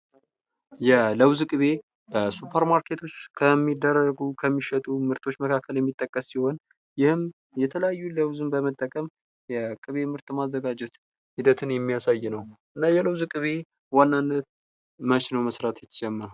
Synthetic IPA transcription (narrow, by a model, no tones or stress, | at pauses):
jɛləwzɨkʼɨβe̞ | b̥əsupʰːəɾmaɾkʰe̞t̪ʰo̞t͡ʃːkʰəmːid̪ərːəɡukʰəmːiʃɛt̪ʼumɨɾt̪ʰo̞t͡ʃːməkʰakːəljɛmːit̪ʼːəkʼːəsːiho̞n | jɪhɨm | jɛt̪ʰələjajːuləwzɨnbəmət̪ʼːəkʼəm | jɛkʼɨβe̞mɨɾt̪ʼmazːəɡad͡ʒɛt̪ | hid̪ət̪ʰɨnjɛmːijasajːnəwʔɨnːajɛləwzɨkʼɨβe̞ | wanːanːət̪ | mət͡ʃnəwməsɾat̪jɛt̪ʰːə̥d͡ʒɛmːəɾ